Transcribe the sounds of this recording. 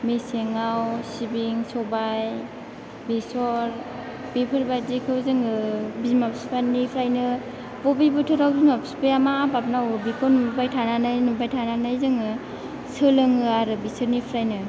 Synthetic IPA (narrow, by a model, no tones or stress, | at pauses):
meseŋawsibiŋsɔbaj | bisɔɾ | b̥ipʰɯɾbadikʰɯwzɯŋɯbizmapspanipʰɾajnɯ | bɔbibɯtʰɔɾawbizmapspeamaːbap̚nawbikʰɔnumubajtʰananajnubajtʰananajzɯŋɯ | sɯlɯŋɯaɾɯbisɯɾnipʰɾajnɯ